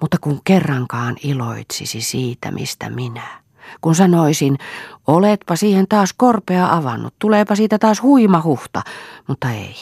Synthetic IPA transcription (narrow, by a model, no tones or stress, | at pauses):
mut̪ːɑkuŋkerːɑŋkɑːnilo̰it̪sḭsisiːt̪æ̰mʔḭst̪æ̰minæ | kunsɑnoisinolet̪pɑsiːhent̪ɑːskorpeɑʔɑʋɑnːṵt̪t̪uleːpɑsiːt̪æt̪ɑːshuimɑhuht̪ɑ̰mut̪ːɑḛi